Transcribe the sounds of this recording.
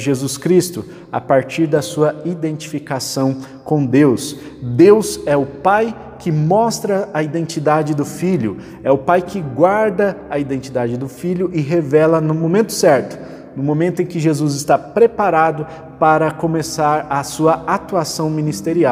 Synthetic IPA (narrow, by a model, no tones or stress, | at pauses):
ʒezuskɾist̪ʊ | a̰paɾt͡ʃiɾd̪ɐsuɐid̪ẽnt͡ʃifikasɐ̃w̃ | kõw̃d̪ews | d̪ewzɛʊpaj | kʰɪmɔst̪ɾɐɐid̪ẽnt͡ʃid̪ad͡ʒɪd̪ʊfiʎʊ | ɛʊpajkʰɪɡwaɾd̪ɐɐid̪ẽnt͡ʃid̪ad͡ʒɪd̪ʊfiʎʊʔɪɦevɛlɐnʊmõmẽnt̪ʊ̥sɛɾt̪ʊ̥ | nʊmomẽnt̪ʊẽkɪʒezuzɪst̪apɾepaɾad̪ʊ | paɾɐkõmesaɾɐsuɐat̪uasɐ̃w̃mĩnist̪eɾia